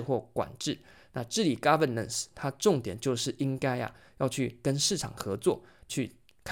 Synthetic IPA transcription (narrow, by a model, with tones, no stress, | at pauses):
xwɔ˥˩kwa̰˨˩nʈ͡ʂɻ̩˥˩ | na˥˧˨ʈ͡ʂɻ̩˥˩li˨˩ka˥pə˥˩nə̰˥˨˩nst̪ʰa˥əʈ͡ʂʊ˥˨˩ŋt̪jɛ˨˩nt͡ɕjo˥˧ʊʂɻ̩˥˩ʔi˦˥ŋka˥ɪɐ̰˨jɑ˥˧ʊt͡ɕʰy˥˩kə˦nʂɻ̩˥˩ʈ͡ʂʰɑ̰˨˩ŋxɤ˧˥t͡swɔ̰˥˨t͡ɕʰy˥˩ | kʰ